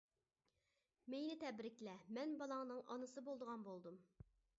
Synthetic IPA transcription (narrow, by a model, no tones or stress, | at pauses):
mejnɪt̪ʰɛbɾɪkʲlɛmɛnbɑlˠɑŋnɨŋʔɑnɨsɨbolˠd̪əʁɑnbolˠd̪um